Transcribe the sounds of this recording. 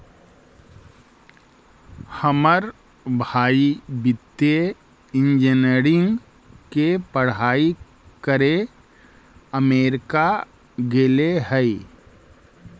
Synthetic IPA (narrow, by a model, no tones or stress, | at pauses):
həməɾ | bʱaːibɪt̪ːje | ɪ̃nd͡ʒeneːɾɪ̃ŋɡ | kepəɽ̤aːi | kəɾe | əmeːɾɪka | ɡeleɦəi